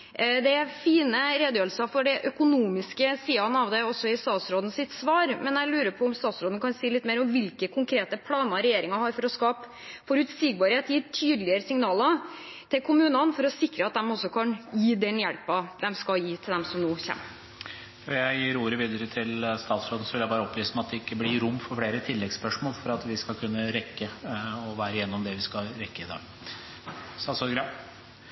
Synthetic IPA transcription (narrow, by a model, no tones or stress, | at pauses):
d̪ɛæɾfiːnəɾeːd̪jøːlsɑfɔɖɛʔœkʊnuːmɪskəsiːɑnəɑʋd̪ɛɔsːɔɪst̪ɑːt̪sɾoːd̪n̩sɪt̪sʋɑːɾmɛnjæɪlʉːɾəpʰɔɔmst̪ɑːt̪sɾoːd̪nkʰɑnsiːlɪt̪ːmeːɾɔmʋɪlkəkʰʊŋkʰɾeːt̪əpʰlɑːnɑɾɛjeːɾɪŋɑhɑɾfɔɾɔskɑːp | fɔɾʉt̪siːɡ̚bɑɾheːt̪jiːɾʈʰyːd̪lɪəɾəsɪŋnɑːlə | t̪ʰɪlkʰʊmʉːnɑnfɔɾɔsɪkɾəɑt̪̚d̪ɛmɔsːɔkʰɑnjiːd̪ɛnjɛlpɑd̪ɛmskɑjiːt̪ʰɪld̪ɛmsɔmnoːçɛ̰ːmː | ɔjæɪjiːɾuːɾəʋiːd̪əɾət̪ʰɪlst̪ɑːt̪sɾoːd̪ən̩sɔʋɪljæɪbɑːɾəɔpʰʋiːsəmæɛɑt̪̚d̪ɛɪkːəblɪɾʊmːfɔɾfɽeːɾət̪ʰɪlːɛɡspœʂmoːlfɔɾɑt̪ʋɪskɑlkʰʉnːəɾɛkːəɔʋæːɾəjɛnːɔmd̪ɛʋɪskɑɾɛkːəɪd̪ɑ̰ːɡ̥ | sɑsɔɡɾɑ